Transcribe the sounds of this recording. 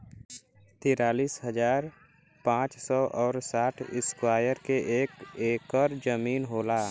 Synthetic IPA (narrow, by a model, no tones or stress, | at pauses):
t̪iːɾaːliːsɦəd͡ʒaːɾ | pãːt͡ʃsɔʔɔːɾsaːʈʰɪskwaːjəɾkeʔeːkeːkɔɾd͡ʒəmiːnɦoːlaː